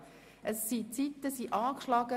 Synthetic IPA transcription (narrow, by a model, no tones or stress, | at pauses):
ʔəsːit͡sit̪ːəsiʔɑːkʃlɑɡə